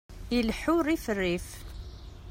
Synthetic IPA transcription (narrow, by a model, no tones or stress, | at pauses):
ilħʊɾifərːif